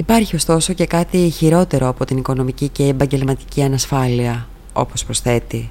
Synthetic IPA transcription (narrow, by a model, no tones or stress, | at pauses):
ipɐɾçio̞st̪o̞so̞ce̞kɐt̪içiɾo̞t̪e̞ɾo̞ɐpo̞t̪iniko̞no̞miciceːbɐɲɟe̞lmɐt̪i̥ciɐnɐsfɐliɐ | o̞̰po̞spɾo̞sθe̞t̪i